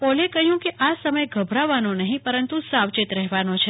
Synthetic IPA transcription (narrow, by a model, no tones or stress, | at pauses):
pɔlekəɦjũkeʔasəməjɡʱəbʱɾaʋanonəɦĩpəɾənt̪usaʋt͡ʃɪt̪ɾɛɦʋanot͡ʃʰe